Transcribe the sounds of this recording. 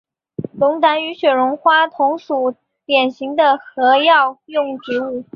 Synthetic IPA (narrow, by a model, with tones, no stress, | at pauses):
lʊ˧˥ŋt̪a˧˥ny˧˥ɕɥɛ˨˩ɻʊ˧˥ŋxwa˥t̪ʰʊ˧˥ŋʂu˨˩ | t̪jɛ˨˩nɕi˧˥ŋd̪ə˧xɤ˧˥jɑ˥˧ʊjʊ˥˩˧ŋt͡ɕi˧˥u˥˩